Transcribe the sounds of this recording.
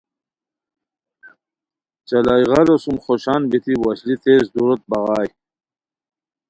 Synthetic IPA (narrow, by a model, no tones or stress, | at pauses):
t͡ɕalajʁɑlosumχoɕɑːnbit̪iwaɕlit̪ezd̪uɾot̪̚bɑʁɑːj